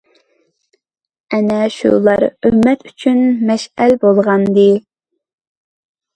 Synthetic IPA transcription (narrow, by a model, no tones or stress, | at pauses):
ɛnɛʃṵlˠɑɾømːɛt̪yt͡ʃʰynmɛʃælbolˠʁɑnd̪ɨ